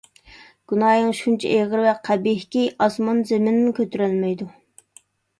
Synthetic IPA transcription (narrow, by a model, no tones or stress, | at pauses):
ɡ̥unɑːjɨŋʃunt͡ʃʰɛ̰ʔeʁəɾvɛqʰæbihkʲiʔɑsmɑnzemɪnɪnkʲʰøt̪yɾɛlmɛjd̪u